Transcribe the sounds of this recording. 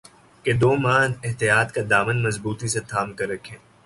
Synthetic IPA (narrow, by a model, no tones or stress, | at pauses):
ked̪oːmãːnɪɦt̪ijaːt̪kad̪aːmənmɐzbuːt̪iset̪ʰaːmkɐɾɐkʰẽː